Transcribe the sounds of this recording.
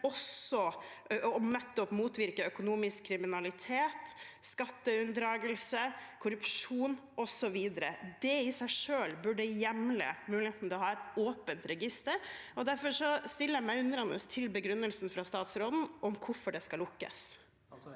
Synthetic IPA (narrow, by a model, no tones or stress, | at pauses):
ɔsɔ | ɔnɛt̪ːɔpmuːt̪ʋɪɾkəœkʊnuːmɪskkʰːɾɪmɪnɑlɪt̪ʰeːt̪skɑt̪ːəʉnd̪ɾɑːɡəlsəkʰʊɾʉpʂuːnʔɔsɔʋiːd̪əɾə̰d̪ɛɪsæɪʂøːlbʉɖəjɛmlə̰mʉːlɪheːt̪n̩t̪ɛlɔɦɑːɛt̪oːpənt̪ɾɛɡɪst̪əɾɔd̪æɾfɔʂɔst̪ɪlːəmæɪʉnəɾɑnə̰st̪ʰɪlbəɡɾʉnːəlsnfɾɑst̪ɑːt̪sɾoːd̪n̩ɔmkʰʊɾfɔɖɛskɑlʊkːə̰s